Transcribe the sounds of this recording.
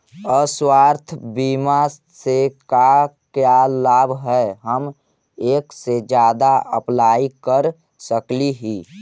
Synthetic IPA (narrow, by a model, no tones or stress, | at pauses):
əswaːɾt̪ʰbima | seka | kjalaːbʱɦɛɦəm | eːksed͡ʒjaːd̪aʔəplaːikəɾ | səkliɦiː